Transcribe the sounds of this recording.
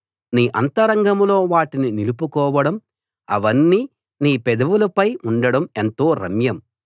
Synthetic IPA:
niːʔɐnt̪ɐɾɐŋɡɐmlo̞ːʋaːʈininilupukɔːʋɐɽɐm | ɐ̰ʋɐnːiː | niːpɛd̪ɐʋulɐpɐjuɳɖɐɽɐment̪o̞ːɾɐ̰mjɐm

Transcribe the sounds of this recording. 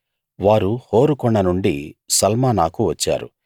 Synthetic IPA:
ʋaːɾuho̞ːɾukɔɳːɐnuɳɖisɐlmaːnaːkuʋɐt͡ʃːa̰ːɾṵ

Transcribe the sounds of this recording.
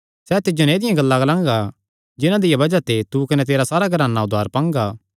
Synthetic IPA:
sɛt̪ɪd͡ʒoneːd̪ɪjãɡɐlːãɡɐlãːŋɡa | d͡ʒɪnãd̪ɪjabɐd͡ʒat̪et̪ukɐnɛt̪eːɾasaːɾaɡɐɾaːnːaʊd̪ʱːaːɾpãːŋɡaː

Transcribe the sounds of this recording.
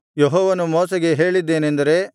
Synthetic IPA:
jeɦɔːʋɐnumɔːsɐɡe̞ɦe̞ːɭid̪ːe̞ːnend̪ɐɾe̞

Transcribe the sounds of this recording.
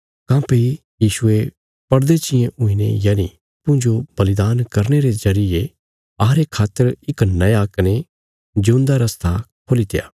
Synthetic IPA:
kãːpei | jiːʃʊe | pɐɾd̪et͡ʃɪjẽʔʊ̃inḛjaːnḭ | pʊ̃d͡ʒob̥ɐlɪd̪aːnkɐɾneɾezɐɾɪe | aɦɾekʰaːt̪ːəɾɪknɐjakɐne | d͡ʒʊ̃ːnd̪aɾɐst̪ʰakʰoːlit̪ḛja̰ː

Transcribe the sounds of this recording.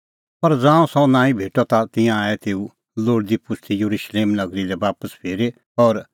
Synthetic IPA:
pɐɾd͡zãːũsɔ̃nãːĩbʱeːʈɔt̪at̪ɪ̃jãaːɛt̪eːu | loːɽd̪ipʊst̪ʰijɐɾuʃleːmnɐɡɾilɛbaːpəspʰeːɾe | ɔːɾ

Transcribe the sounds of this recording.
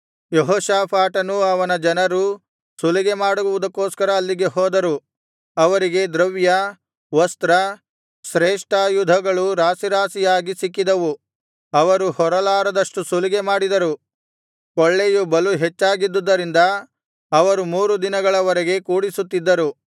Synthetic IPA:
jeɦɔːʃaːpʰaːʈɐnuɐʋɐnɐd͡ʒɐnɐɾu | suliɡe̞maːɽuuʋud̪ɐkːoːskɐɾɐːlːiɡe̞ɦɔːd̪ɐɾu | ɐʋɐɾiɡe̞d̪ɾɐʋjɐ | ʋɐst̪ɾɐ | ʃɾeːʂʈaːjud̪ʱɐɡɐɭuɾaːsiɾaːsijaːɡisikːid̪ɐʋu | ɐʋɐɾuhɔɾɐlaːɾɐd̪ɐʂʈusuliɡemaːɽid̪ɐɾu | koɭːejubɐluɦet͡ʃːaːɡid̪ːud̪ːɐɾind̪ɐː | ʋɐɾumuːɾud̪inɐɡɐɭɐʋɐɾɛɡe̞kuːɽisut̪ːid̪ːɐɾu

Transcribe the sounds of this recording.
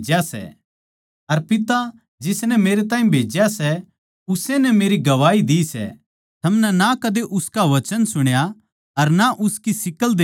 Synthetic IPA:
d͡ʒjasɛ̰ | ɐɾpɪt̪a | d͡ʒɪsnɛmeːɾet̪ãːĩbʱeːd͡ʒjasɛ | ʊsenɛmeːɾiɡɐʋaːid̪iːsɛ̰ | t̪ʰɐmnɛnakɐd̪eʔʊskaʋɐt͡ʃənsʊɽ̃ja | ɐɾnaʔʊskisɪkəld̪eː

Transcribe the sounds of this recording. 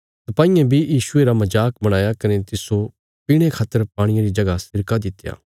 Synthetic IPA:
sɐpaːĩːẽbʱijiːʃʊeɾamɐd͡ʒaːkbɐɽ̃aːjakɐnet̪ɪso | piːɽ̃ekʰaːt̪ːəɾpaːɽ̃ijãɾid͡ʒɐɡasɪɾkad̪ɪt̪ːja̰ː

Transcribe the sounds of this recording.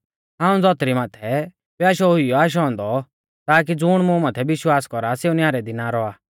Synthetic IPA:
ɦãːũd͡zɔt̪ɾimaːt̪ʰɛ | pjaːʃɔɦʊijɔaːʃ̬ɦɔ̃ːnd̪ɔ | t̪aːk̬id͡zʊːɽ̃mũmaːt̪ʰɛbɪʃwaːskɔɾaseːũnjaːɾɛd̪inaɾɔaː

